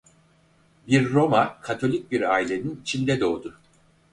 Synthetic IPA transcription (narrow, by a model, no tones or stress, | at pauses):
biɾːo̞makʰat̪ʰo̞lʲic̚biɾaːilʲe̞ninit͡ʃʰind̪ɛd̪o̞ːd̪ʊ